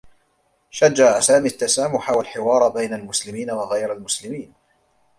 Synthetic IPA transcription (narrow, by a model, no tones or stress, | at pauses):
ʃad͡ʒːaʕasaːmiːt̪ːasaːmʊħawalħɪwɑːɾˤbajnalmʊslɪmiːnawaɣajɾalmʊslɪmiːn